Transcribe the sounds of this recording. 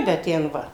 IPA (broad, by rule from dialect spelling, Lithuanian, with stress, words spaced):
bʲɛt ˈtʲɛn ˈʋɐ